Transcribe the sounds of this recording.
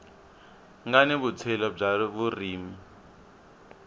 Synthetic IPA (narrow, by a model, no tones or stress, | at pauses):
ŋɡaniβut͡sʰɛlɔb͡ʐaβuriːmi